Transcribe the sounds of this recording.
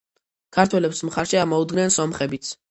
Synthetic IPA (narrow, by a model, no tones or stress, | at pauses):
kʰaɾt̪ʰwɛlɛpsmχaɾʃiamɔud̪ɡnɛnsɔmχɛbit̪sʰ